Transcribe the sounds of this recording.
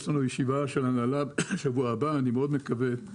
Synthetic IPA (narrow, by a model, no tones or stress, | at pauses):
ʃlanujeʃivaʃelhanalabʃavuaːbaːnimeo̞d̪me̞kave